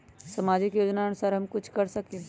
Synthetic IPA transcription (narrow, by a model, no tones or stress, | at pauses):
sɐmaːd͡ʒɪkjoːd͡ʒnaɐnʊsaːɾɦɐmkʊt͡ʃʰkɐɾsɐkẽ